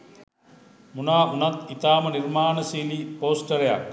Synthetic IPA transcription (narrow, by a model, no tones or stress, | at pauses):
munaːunat̪it̪aːməniɾmaːnəsiːlipoːsʈəɾeja̰k